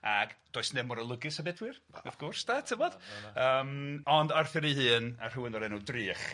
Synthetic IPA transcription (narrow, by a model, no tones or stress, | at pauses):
aɡd̥oːɨsnɛmɔɾəlˠəɡɨsabɛdwɨrafɡ̥ʊrsd̥aːtʰəmɔd̥əːmɔndarθɪɾihɨːna̰r̥uwɪnɔɾɛnudrɨːχ